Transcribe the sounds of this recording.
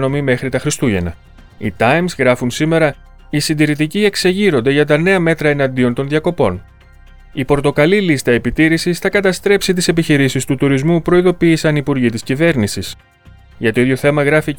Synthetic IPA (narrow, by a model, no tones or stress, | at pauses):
no̞mime̞xɾit̪ɐxɾist̪uʝe̞nɐ̰ | ḭt̪ɐjmzɣɾɐfunsime̞ɾɐ | isind̪iɾit̪̬icie̞kse̞ʝiɾo̞nd̪e̞ʝɐt̪ɐne̞ɐme̞t̪ɾɐe̞nɐnd̪io̞nt̪o̞nðʝɐko̞po̞̰n | ipo̞ɾt̪o̞kɐlilist̪ɐe̞pit̪iɾisisθɐkɐt̪ɐst̪ɾe̞psit̪̬ise̞p̬içiɾisist̪ut̪uɾizmupɾo̞iðo̞piːsɐnipuɾʝit̪iscive̞ɾnisis | ʝɐt̪oiðʝo̞θe̞mɐɣɾɐfi